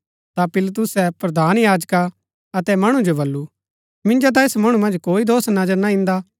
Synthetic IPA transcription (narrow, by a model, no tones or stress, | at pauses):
t̪apɪlt̪̬ʊsɛpɾɐd̪ʱaːnjaːd͡ʒka | ɐt̪ɛmɐɽ̃ũd͡ʒobɐlːu | mɪ̃nd͡ʒot̪̬ãesmɐɽ̃umɐ̃nd͡ʒkoːid̪oːsnɐd͡ʒəɾnaɪ̃nd̪a